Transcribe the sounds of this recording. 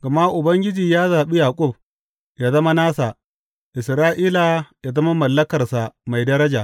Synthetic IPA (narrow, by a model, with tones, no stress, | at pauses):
ɡ̥ɐ˨ma˦ʔʊ˨bɐ˦ŋɡʲɪ˦d͡ʒiː˨jaː˦zaː˨ɓi˦jaː˨kʷʼʊ˦˨b̚ | jaː˨zɐ˦ma˦naː˦sa˨ | ʔɪ˨sɾaː˦ʔiː˦la˨jaː˨zɐ˦ma˦mɐ˨lːɐ˦kɐ˨rsa˨ma˨jdɐ˦ɾɐ˦d͡ʒa˨